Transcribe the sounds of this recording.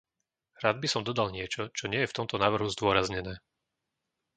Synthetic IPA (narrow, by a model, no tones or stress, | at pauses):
ɾaːd̪̚bisɔmd̪ɔd̪alɲɪɛt͡ʃɔt͡ʃɔɲɪɛjɛft̪ɔmt̪ɔnaːʋr̩ɦuzd̪ʊɔɾazɲɛnɛː